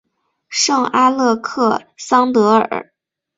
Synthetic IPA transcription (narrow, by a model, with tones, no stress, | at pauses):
ʂɤ˥˩ŋa˥lɤ˥˧kʰɤ˥˩sɑ˥ŋt̪ɤ˧˥ə̰˞˨˩˧